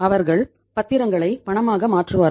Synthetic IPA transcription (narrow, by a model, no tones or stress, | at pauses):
ɐʋɐɾɣɐɭ | pɐt̪ːɪɾɐŋɡɐɭɐɪpɐɳɐmaːɣɐmaːʈrɯʋaːɾ